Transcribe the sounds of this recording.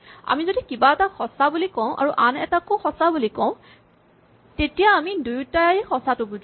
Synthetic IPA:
a̰mizodikibaɛtaxɔsabulikɔʊ̃ʔa̰ɹuʔanɛ̰takoxɔsabulikɔ̃ʊ̃ | tetijaːmidujtajxɔsatʊbud

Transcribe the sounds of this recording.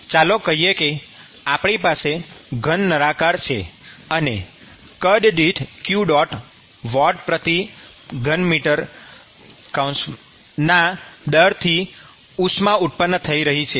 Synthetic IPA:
t͡ʃalokəɦijeke | apɳipaseɡʱənːəɾakaɾt͡ʃʰḛəne | kəɖɖiʈkjuɖɔʈ | ʋɔɖpɾət̪i | ɡʱənmiʈəɾ | kawns | nad̪əɾt̪ʰi | usmãuʈ̪̚pənːt̪ʰəiɾəɦit͡ʃʰe

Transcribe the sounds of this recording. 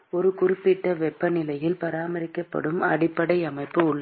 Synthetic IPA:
ɔɾɯkʊɾɪpːɪʈːɐʋɛpːɐnɪlɐjɪlpɐɾaːmɐɾɪkːɐpːɐ̰ɽɯmɐ̰ɽɪpːɐɽɐɪɐmɐɪpːɯʊɭːɐ

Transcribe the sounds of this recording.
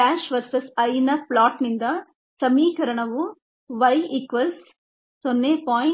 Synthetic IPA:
aːʃʋɐɾsɐsɐjnɐplaːʈnind̪ɐ | sɐmiːkɐɾɐɳɐʋu | ʋɐjikʋɐls | sonːeːpaː

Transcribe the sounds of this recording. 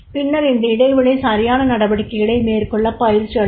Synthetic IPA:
pɪnːɐɾɪnd̪ɐɪɽɐɪʋɯɭɐɪsaːɾɪjaːnɐnɐɽɐʋɐɽɪkːɐɪɣɐɭɐɪmeːɾkɔɭːɐpːɐjɪɾt͡ʃːɪɐ

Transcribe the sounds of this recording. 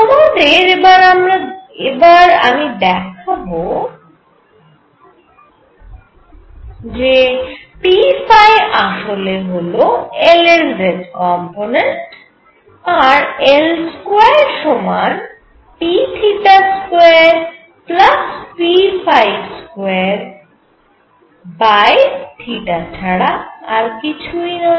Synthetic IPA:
ɔmad̪eɾebaɾamɾaebaɾa̰mid̪ɛkʰabo | d͡ʑepifajʔaʃoleɦoloelelɾeɖkɔmponeɳʈ | aɾelskwaeɾʃɔman | piʈʰiʈaskoeaɾ | plaspifajskoeaɾ | baeʈʰiʈat͡ɕʰaɽaaɾkit͡ɕʰujnɔ

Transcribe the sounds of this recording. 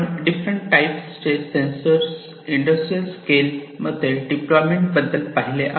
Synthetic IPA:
ɖifɾəɳʈʈajpsʈeʈsensəɾs | iɳɖəsʈɾijəlskelməd̪ʱeɖiplɔjmẽɳʈbəd̪ːəlpaɦileʔa

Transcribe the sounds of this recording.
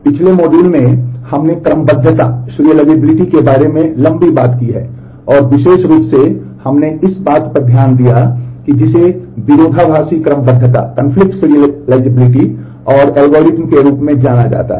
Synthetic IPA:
pɪt͡ʃʰlemɔːɖuːlmẽhɐmnekɾəməbəd̪ʱːət̪a̰sʊɾijəlaːɪd͡ʒebɪlɪʈikebaːɾemẽlɐ̃mbibaːt̪kiɦɛ̰ː | ɔːɾʋɪʃeːʃɾuːpse | hɐmneʔɪsbaːt̪pəɾd̪ʱjaːnd̪ijakid͡ʒɪseʋɪɾoːd̪ʱabʱaːsikɾəməbəd̪ʱːət̪a̰kə̃nfʰlɪk̚ʈsɪɾiəlaːɪd͡ʒebɪlɪʈi | ɔːɾɛːlɡoːɾɪtmkeɾuːpmẽd͡ʒaːnad͡ʒa̰ːt̪a̰ɦ

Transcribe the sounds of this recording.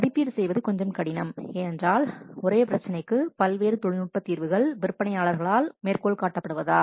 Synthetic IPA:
ɐðɪpːiːɾɯsɛjʋɐðɯkɔɲd͡ʒɐmkɐɽɪnɐmɛndraːlɔɾeːpɪɾɐt͡ʃːɐnɐɪkːɯpɐlʋeːɾɯt̪ɔɻɪnʊʈ̚pːɐt̪ːiːɾʋɯɣɐɭʋɪɾɯpːɐɳɐɪaːɭɐɾɣɐɭaːlmeːrkoːɭkaːʈːɐpːɐɽɯʋɐðaː

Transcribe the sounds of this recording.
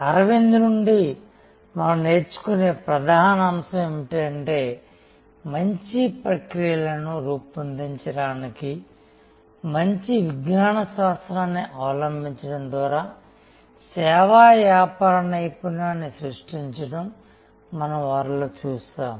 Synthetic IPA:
ɐɾɐʋind̪unuɳɖi | mɐnɐmne̞ːɾt͡ʃu̥kune̞ːpɾɐd̪ʱaːnɐɐmsɐmemiʈeːɐɳʈe̞ː | mɐɲt͡ʃipɾɐkɾijɐlɐnuɾuːpːɐnd̪iɲt͡ʃɐɽaːniki | mɐɲt͡ʃiʋiɡnaːnɐʃaːst̪ɾaːnːiʔaːlɐmbʱiɲt͡ʃɐɽɐmd̪ʋaːɾaː | sɛːʋaːʋjaːpaːɾɐnɐjpunaːnːisɾuʂʈiɲt͡ʃɐɽɐmː | ɐnɐmʋaːɾloːt͡ʃuːsaːm

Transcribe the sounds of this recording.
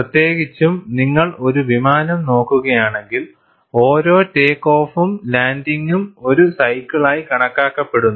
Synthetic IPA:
rɐt̪je̞ːɡit͡ɕːumniŋːɐɭo̞ɾuʋimaːnɐmno̞ːkːuɣɐjaːɳe̞ŋɡil | o̞ːɾo̞ːteːkːo̞ːfumlaːndiŋɡumo̞ɾusɐjkːiɭaːjikɐɳɐkːaːkːɐpːe̞ɽunːu

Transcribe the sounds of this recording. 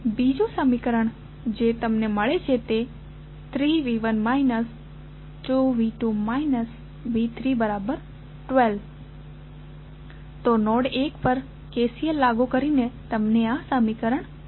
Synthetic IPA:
bid͡ʒũsəmikəɾəɳ | d͡ʒet̪əmneməɭet͡ʃʰet̪e | t̪ʰɾiʋiʋənmainəs | ʈuʋiʈumainəs | ʋit̪ʰɾibəɾabəɾ | ʈʋelʋ | t̪onɔɽekpəɾ | kesielːaɡukəɾinet̪əmneasəmikəɾəɳ

